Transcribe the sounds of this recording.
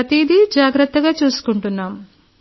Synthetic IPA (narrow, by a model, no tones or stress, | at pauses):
ɐt̪id̪ʱid͡ʒaːɡɾɐt̪ːɐɡaːt͡ʃuːsu̥kuɳʈunːaːm